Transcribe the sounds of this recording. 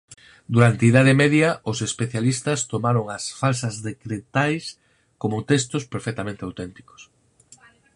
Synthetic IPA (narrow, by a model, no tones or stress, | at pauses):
d̪uɾant̪eiðaðɪmɛðjɐʔʊsespeθjalist̪ɐst̪omaɾoŋɐsfalsɐzðekɾet̪ajs | komʊt̪est̪ʊspeɾfɛk̚t̪amẽnt̪eawt̪ɛnt̪i̥ko̥s